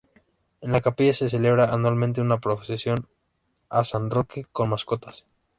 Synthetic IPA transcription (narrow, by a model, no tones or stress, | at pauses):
enlakapiʝase̞se̞le̞β̞ɾaʔːnwalmẽnt̪̬eunapɾosesjo̞n | asanrokeko̞nmasko̞t̪ḁs